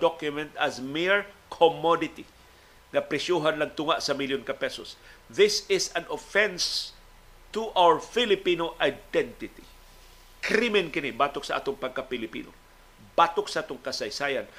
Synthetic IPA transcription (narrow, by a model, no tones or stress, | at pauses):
d̪ɔkjʊmɛ̃nt̪ɐsmɪɹkʰomɔdɪt̪i | ŋɐpɾɛsjuɦanlɐŋt̪ʊŋaʔsɐmiljonkapɛsosðɪsɪsãnofɛ̃ns | t̪ʊʔawəɹfɪlɪpinoʔajd̪ɛnt̪ɪt̪i | kɾimɪnkɪnɪbaːt̪ok̚sɐʔa̰ːt̪ʊŋpɐɡ̚kapɪlɪpḭːno | bat̪oksɐʔaːt̪ʊŋkɐsɐjsaːjan